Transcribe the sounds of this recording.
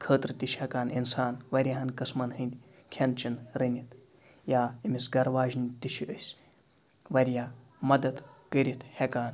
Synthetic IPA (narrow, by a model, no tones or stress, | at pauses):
kʰəːt̪ɾɨt̪iʃʰhɛkaːninsaːnʋɐɾʲjaːɦɐnkɐsmɐnɦɨnd̪ʲi | kʲʰent͡ʃinɾɐnʲit̪ʰ | jaːimisɡɐɾʋaːʒnʲt̪iʃʰiʔəsʲ | ʋɐɾʲjaː | mɐd̪ɐd̪kəɾʲit̪ʰhekaːn